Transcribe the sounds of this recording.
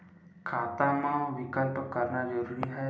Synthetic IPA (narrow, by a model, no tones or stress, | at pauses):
kʰat̪amãʋikəlpɔkəɾnad͡ʒəɾuɾiɦaj